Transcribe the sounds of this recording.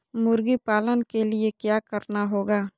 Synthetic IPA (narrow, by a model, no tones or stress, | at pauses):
mʊɾɡipaːlənkeliekjaːkəɾnaɦoːɡaː